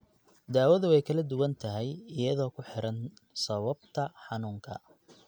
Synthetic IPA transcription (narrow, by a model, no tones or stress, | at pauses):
d̪aːwɐðʊɛjkʰɐlɐd̪ʊwɐnt̪ʰɐɦɛjɪjɐðɔːkʰʊħɪɾɐn | sɐβɐbt̪ʰɐħɑnuːŋkʰɐ̰